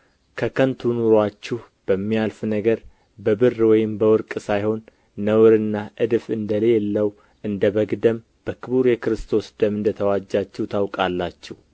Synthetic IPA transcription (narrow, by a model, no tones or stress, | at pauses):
kʰəkʰənt̪ʰunuɾwat͡ʃːɪh | b̥əmːialfnəɡəɾ | bəbɨrːwɔjɪmbəwɔɾkʼsajho̞nː | əwɾɨnːaʔɨd̪ɨfɨnd̪əlelːəw | ʔɨnd̪əβəɡd̪əm | b̥əkʰɨβuɾjɛkɾɨst̪ʰo̞sd̪əmɨnd̪ət̪ʰəwad͡ʒːat͡ʃːɛwt̪ʰawkʼalːat͡ʃːɛh